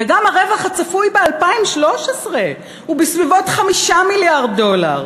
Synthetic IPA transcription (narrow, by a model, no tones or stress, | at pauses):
veɡamaʁe̞vaχhat͡safujbealpaimʃlo̞ʃesʁe̞ | hubisvivo̞tχamiʃamiljaʁdo̞la̰ʁ